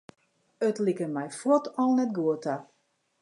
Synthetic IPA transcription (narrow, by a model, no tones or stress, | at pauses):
ətlikənmɛjfɔtɔlˠnɛt̚ɡuəta